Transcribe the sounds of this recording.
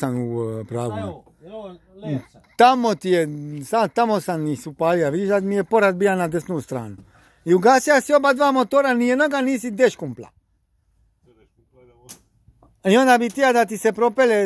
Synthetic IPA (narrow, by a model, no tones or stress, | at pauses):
sanupɾaːɡu | t̪amo̞t̪ijesad̪t̪amosamnisupaːliaʋid̪iʃd̪ad̪mijepo̞ɾat̪̚bijanad̪esnust̪ɾa̰ːnu | iuɡaːsijasio̞bad̪ʋaːmot̪oːɾanijed̪noɡaniːs̬id̪eʃkumpla̰ | io̞nd̪abit̪iad̪at̪̬isepɾo̞pele